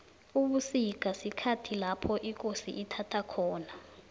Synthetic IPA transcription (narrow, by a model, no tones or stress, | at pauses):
uɓusik̬ʼasikʰatʰilapʰɔʔik̬ʼosiʔːtʰatʰakʰɔːna